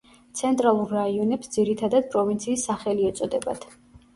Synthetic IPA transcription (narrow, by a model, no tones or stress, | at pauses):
t̪sʰɛnt̪ʼɾalˠuɾːaiɔnɛpsd̪ziɾit̪ʰad̪ad̪̚pʼɾɔvint̪sʰiːsːaχɛliɛt̪sʼɔd̪ɛba̰d̪̥ʰ